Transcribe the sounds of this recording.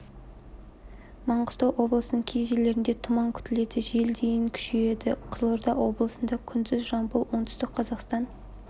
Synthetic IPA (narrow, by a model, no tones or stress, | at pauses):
mɑɴʁə̥st̪ɑwʔo̞blˠəsənəɴkʲʰeʒelːe̞ɾɪnd̪e̞t̪ʰʊmɑŋkʲʰʏ̥t̪ɪle̞d̪ɪʒe̞ld̪e̞jɪŋkʲʰʏ̥ʃeje̞d̪ɪ̰qʰəzlˠoɾd̪ɑwo̞̰blˠəsənd̪ɑkʲʰʏnd̪ɪzʒɑmbʊlˠwo̞ɴt̪ʰʏst̪ɪqqʰɑzɑqst̪ɑn